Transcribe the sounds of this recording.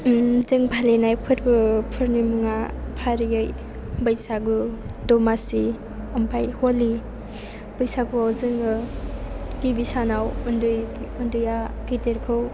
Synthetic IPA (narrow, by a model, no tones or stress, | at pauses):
zɯŋbʱalenajpʰɯtbɯpʰɯɾnimuŋapʰaɾijɯj | bəjsaɡu | dɔmasi | ɐmpʰajholi | bɯjsaɡuawzɯŋɯ | ɡ̥ibisanawɯndɯjɯndɯjaɡiteɾkʰɯw